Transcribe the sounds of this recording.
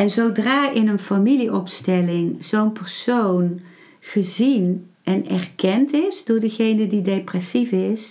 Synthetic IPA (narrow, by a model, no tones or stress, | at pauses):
ɛnzowdraːʔɪnənfamiliʔɔpstɛlɪŋz̥ownpəɹsown | χəzin | ʔɛnɛrkɛntɪsdʊːɹdəɣejnədideprɛsifɪs